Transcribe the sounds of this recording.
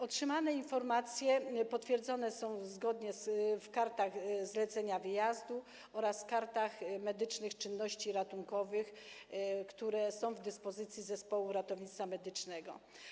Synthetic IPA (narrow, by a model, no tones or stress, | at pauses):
ɔtʂɘmanɛinfɔɾmat̪sʲjɛpɔt̪fʲjɛɾd̪zɔnɛsɔ̃w̃zɡɔd̪ɲɛsfkaɾt̪aɣzlɛt̪sɛɲavɘjazd̪u | ɔɾaskaɾt̪axmɛd̪ɘt͡ʂnɘxt͡ʂɘnːɔɕt͡ɕiɾat̪uŋkɔvɘx | kt̪uɾɛsɔ̃w̃vd̪ɘspɔzɘt̪sʲjizɛspɔwuɾat̪ɔvɲit̪samɛd̪ɘt͡ʂnɛɡɔ̰